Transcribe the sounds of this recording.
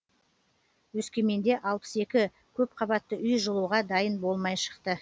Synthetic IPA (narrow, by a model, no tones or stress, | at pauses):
wɵskʲe̞me̞nd̪e̞ʔɑlˠpə̥se̞kʲɪ | kʲʰɵp̚qʰɑbɑt̪ːəʔʏjʒəlˠuʁɑd̪ɑjənbo̞lˠmɑjʃə̥qt̪ə